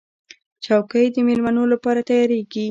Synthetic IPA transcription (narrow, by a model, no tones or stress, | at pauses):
t͡ʃawkəjd̪əmelmanolapɑɾat̪ajɑɾeɡi